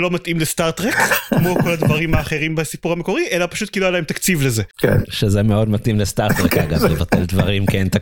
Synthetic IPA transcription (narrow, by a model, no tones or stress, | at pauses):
lo̞mat̪ʔimlest̪aʁt̪ʁekkmo̞ko̞lad̪vaʁimaːχe̞ʁimbesipuʁhameko̞ʁiʔelapaʃut̚kilualaemt̪akt͡sivlezekḛnʃezemeo̞d̪mat̪imlest̪aʁt̪ʁeka̰ɡa̰vlevat̪e̞ldvaʁimkent̪a